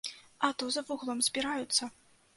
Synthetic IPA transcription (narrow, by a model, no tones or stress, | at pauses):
ɐt̪uzɐvuɣlˠɔmzʲbʲiɾajut̪sːɐ